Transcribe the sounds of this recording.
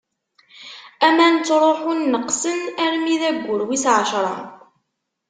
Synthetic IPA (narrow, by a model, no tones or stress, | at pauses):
æmænt͡sːɾˤoħʊnːəqsənæɾmiðæɡʷːʊɾwisʕəʃɾˤɑ̰